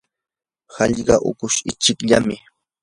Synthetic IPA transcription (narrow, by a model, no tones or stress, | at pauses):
hɑʎɢɑʔʊ̰kʊʃɪt͡ʃɪkʎamɪ